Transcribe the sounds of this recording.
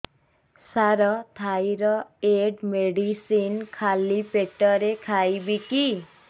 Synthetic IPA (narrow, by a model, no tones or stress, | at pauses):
saɾɔt̪ʰajɾɔeɖmeɖisinkʰalipeʈɔɾekʰajbiki